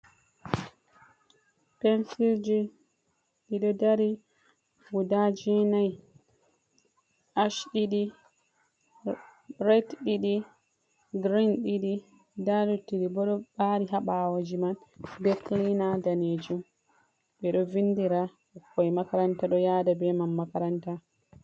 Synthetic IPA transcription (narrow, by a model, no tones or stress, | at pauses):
pɛnsild͡ʒi | ɗiɗɔdaɾi | fudad͡ʒɛnaj | ʔaʃɗiɗi | ɾɛtɗiɗi | ɡɾinɗiɗi | dadutːiɗibɔɗɔbaɾiɦaɓawad͡ʒimanbɛklinadaned͡ʒum | bɛɗɔvindiɾa | ɔkːɔjmakaɾantaɗɔjadabɛmamːakaɾanta